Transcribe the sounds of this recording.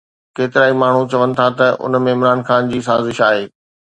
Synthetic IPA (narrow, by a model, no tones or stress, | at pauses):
keːt̪ɪɾaːimaːɳ̤ut͡ɕɐʋənɪ̆t̪ʰat̪ɐʔʊ̰nmẽɪmɾaːnxaːnd͡ʑiːsaːzɪʃaːɦeː